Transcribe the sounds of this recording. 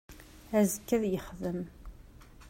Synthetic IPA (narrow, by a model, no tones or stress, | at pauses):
æzəkːæðjəχðəm